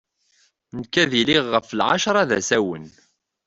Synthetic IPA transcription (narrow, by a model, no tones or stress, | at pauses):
nəkːæðiliʁːəfəlʕa̰ʃɾˤɑðæ̰sæwən